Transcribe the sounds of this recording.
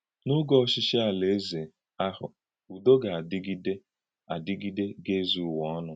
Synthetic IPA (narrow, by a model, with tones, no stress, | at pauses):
nʊ˦ɡɔ˦ɔ˦ʃɪ˦ʃe˦a˨le˨e˦ze˨ | a˦hʊ̰˨ | u˨do˦ɡa˨a˨dɪ˦ɡi˦de˦ | a˨dɪ˦ɡi˦de˦ɡe˦zu˦˨wɔ˦ɔ˦nʊ˦